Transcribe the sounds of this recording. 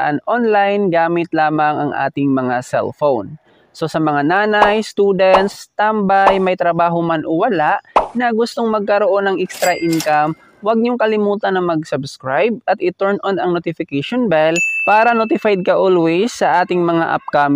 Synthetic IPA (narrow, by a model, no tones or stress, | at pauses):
ʔanʔonlajnɡaːmɪt̪laːmɐŋʔɐŋʔa̰ːt̪ɪŋmɐŋasɛ̰lfown | so̞sɐmɐŋanaːnajst̪uːd̪ɛnt̪st̪ambajmɐjt̪ɾɐbaːɦomanʔowɐlaʔnɐɡʊst̪oŋmɐɡ̚kɐɾoʔo̞nɐŋʔɛkst̪ɾɐʔɪnkam | wɐɡ̚ɲʊŋkɐlɪmuːt̪ɐnɐŋmɐɡ̚sɐbskɹajb̚ɐt̪ʔɪt̪ɛɹnʔonɐŋnot̪ɪfɪkɛʃonbɛlpaːɾɐnot̪ɪfajd̪̚kɐʔolwɛjsːɐʔaːt̪ɪŋmɐŋaʔɐ̰p̚kam